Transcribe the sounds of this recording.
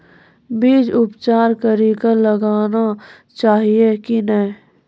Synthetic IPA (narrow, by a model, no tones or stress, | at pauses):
biːd͡ʒʊpt͡ʃaːɾkəɾikaləɡaːna | t͡ʃaːɦiekinəĩ